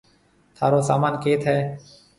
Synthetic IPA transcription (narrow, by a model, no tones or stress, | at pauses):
t̪ʰaːɾoːsa̰ːmaːnkeːt̪ʰɦɛː